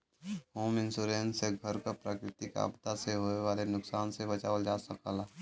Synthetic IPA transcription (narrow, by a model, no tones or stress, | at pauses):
hoːmɪ̃nsuːɾeːnseɡʱəɾkapɾaːkɾɪt̪ika̰ːbd̪aseɦoːeʋaːlenʊksaːnsebət͡ʃaːʋəld͡ʒaːsəkəla